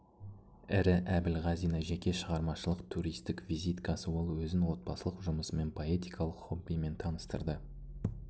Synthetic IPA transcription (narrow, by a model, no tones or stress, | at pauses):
ɪɾɪʔæbɪlʁɑzijnɑʒækʲe̞ʃəʁɑɾmɑʃəlˠəqt̪ʰuɾijst̪ɪkvizijt̪kɑsəwo̞lˠwɵzɪnwo̞t̪̚bɑsəlˠəqʒʊməsəme̞npʰo̞e̞t̪ijkʰɑlˠəqχobːijme̞nt̪ʰɑnəst̪ə̰ɾd̪ə